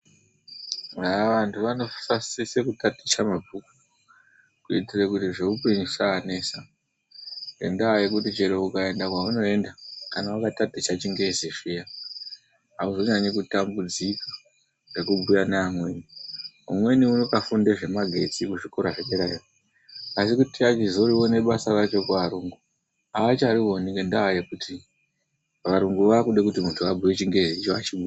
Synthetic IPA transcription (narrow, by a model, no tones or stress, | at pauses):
aʋantʰuʋano̞fasisekutatit͡ʃamab͡vʱuku | kuitirekutiʐeupiɲisaːne̞ːsa | ḛndajekutit͡ʃeɾeukae̞ndakwauno̞e̞ndakanawakatatit͡ʃat͡ʃiŋɡeziʂija | ɦauzo̞ɲaɲikutambud͡zikḁ | re̞kubujanaamwe̞ːniɦṵmwe̞niunokafundeʐe̞maɡʱe̞̰t͡sikuʐikoɾaʐeɓeɾai | asikutiat͡ʃizoɾiwone̞ɓasarat͡ʃo̞kuʋaɾuːŋɡu | aat͡ʃariɦo̞niŋɡendaɦːjekutʰi | ʋaɾuŋɡuʋakuɗe̞kutimuntʰuabuwe̞t͡ʃiŋɡe̞zit͡ʃoat͡ʃiɓuj